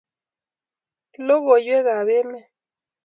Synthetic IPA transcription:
lo˦ɣo˨jwe˦ɣa˨βe˦me˦

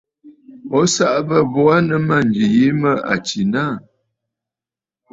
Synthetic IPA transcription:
ɔ˦sa˦ʔbə˦bɔ˦a˦nə˦ma˦˨nd͡ʒi˨je˨˦mə˦a̰˨t͡ʃi˨na˦˨

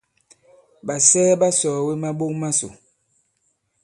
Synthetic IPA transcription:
ɓa˨sɛː˦ba˦sɔː˨we˦ma˦ɓo˦ŋma˦so̰˨

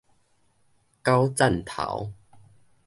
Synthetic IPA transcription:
ka˦wt͡sa˥˨nt̪ʰa̰˨˦w

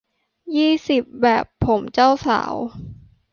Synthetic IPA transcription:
jiː˥˩si˨˩p̚bɛː˨˩pʰːo˩˦mt͡ɕa˥˩wsa̰ː˩˦w

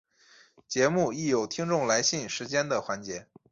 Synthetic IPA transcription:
t͡ɕjɛ˧˥mu˥˩i˥˩jo˨˩ʊt̪ʰi˥ŋʈ͡ʂʊ˥˩ŋla˧˥ɪɕi˥˩ŋʂɻ̩˧˥t͡ɕjɛ˥nd̪ə˨xwa˧˥nt͡ɕjɛ˧˥

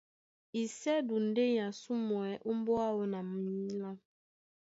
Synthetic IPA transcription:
i˨sɛ˦du˨n̩˨˦de˦jã˨su˦mɔ˨ɛ˨ʔu˦m˦bɔ˦a˦wɔ˦na˨m̩˨i˦la˦

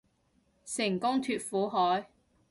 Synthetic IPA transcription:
sɪ˨˩ŋkʊ˥ŋt̪ʰyː˧t̚fuː˨˥ɦɔː˨˥j

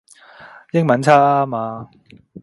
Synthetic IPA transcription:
jɪ˥ŋmɐ˨˥nt͡sʰaː˥a˦˥maː˧

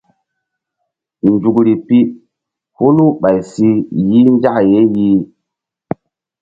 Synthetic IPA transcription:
n˨d͡ʒu˨kɾi˨pi˦ | ho˦lu˦ɓa˨jsi˦ji˦n˦d͡ʒa˦kje˨˦ji˦

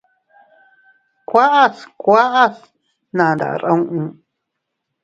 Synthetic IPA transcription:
kʷa˦ʔa˦skʷa˦ʔa˦s | nã˨nd̪a̰˨ɾa˦wʔũ˦

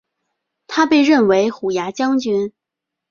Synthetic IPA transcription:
t̪ʰa˥pe˥˧ɪɻə˥˩nwe˧˥ɪxu˨˩ja˧˥t͡ɕjɑ˥ŋt͡ɕy˥n

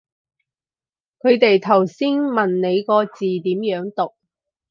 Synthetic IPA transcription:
kʰɵ˨˧ɥt̪e˨jt̪ʰɐ˨˩wsiː˥nmɐ˨˩nne˨˧jkɔː˧t͡siː˨t̪iː˨˥mjœː˨˥ŋt̪ʊ˨k̚

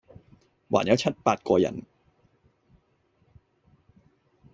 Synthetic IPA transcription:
wa̰ː˨˩˦nja˦˥t͡ɕʰa˦˥t̪̚paː˧˩t̪̚koː˧ja̰˧˩n

